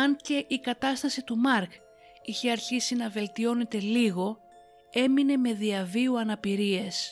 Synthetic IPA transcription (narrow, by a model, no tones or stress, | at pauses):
ɐnce̞ʔikɐt̪ɐst̪ɐsit̪umɐɾk | içe̞ɐɾçisinɐve̞lt̪io̞ne̞t̪e̞liɣo̞ | e̞mine̞me̞ðiɐviuɐnɐpiɾie̞s